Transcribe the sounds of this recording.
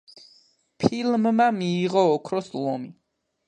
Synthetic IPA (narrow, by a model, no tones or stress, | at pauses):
pʰilmːamiːʁɔːkʰɾɔslˠɔmi